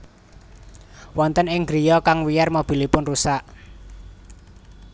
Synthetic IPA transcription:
wɔnt̪ənɪŋɡɾijɔkaŋwijarmob̥i̤lipʊnrusaʔ

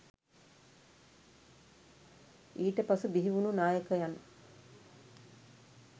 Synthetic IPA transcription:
iːʈəpasubiɦiʋununaːjəkəjan

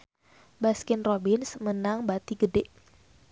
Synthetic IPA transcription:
baskɪnrobɪnsmənaŋbat̪iɡədeʔ

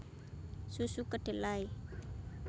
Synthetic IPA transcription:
susukəɖ̥elaj

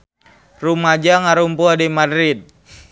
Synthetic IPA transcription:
rumad͡ʒaŋaɾumpuadimadɾit̪̚

